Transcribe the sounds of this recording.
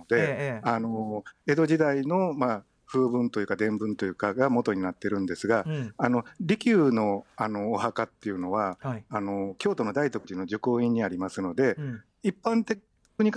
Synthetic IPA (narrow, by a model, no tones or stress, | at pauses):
d̪e̞ano̞e̞d̪o̞ʑid̪aino̞maː | ɸɯ̟ːbɯ̟̃nt̪o̞jɯ̟kad̪ẽ̞mbɯ̟̃nt̪o̞jɯ̟ːkaɡamo̞t̪o̞ɲ̟inat̪ːe̞ɾɯ̟̃nd̪e̞sɨɡaːno̞ɾʲikʲɨːno̞ano̞ːhakat̪ːe̞jɯ̟no̞βaːno̞kʲo̞ːt̪o̞no̞d̪ait̪o̞kɯ̟ʑino̞d͡ʑɨko̞ːĩɲ̟ːiaɾʲimasɨno̞d̪e̞ | ipːãnt̪e | kɯ̟ɲ̟ik